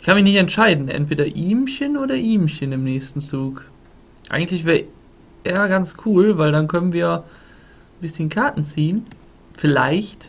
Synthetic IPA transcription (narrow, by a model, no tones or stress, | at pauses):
ʔɪçkʰanmɪçnɪçtɛntʃaɪdn̩ʔɛ̰ntv̥eːdɐʔiːmçənoːɾɐʔiːmçənɪmnɛːçstn̩t͡suːk | ʔa̰ɪɡŋ̩tlɪçv̥eːɐ | ʔeːɐɡant͡skʰuːlvaɪldankʰœnənviːɐ | bɪsçənkʰaɐtn̩t͡siːən | fɪla̰ɪçt